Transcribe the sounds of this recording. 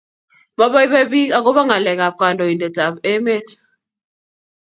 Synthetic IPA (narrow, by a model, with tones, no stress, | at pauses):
mɔ˦ɓa˦i˦ɓɛ˦ɓi˦ka˦k̬ɔ˦ɓa˦ŋa˨lɛ˨k̬a˨p̚kʼa˨ndʱɔ˨i˨ndɛ˨ta˨be˦me˦t